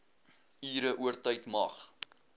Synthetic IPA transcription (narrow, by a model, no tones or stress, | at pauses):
iːɾəʔuərtɐjtmɐχ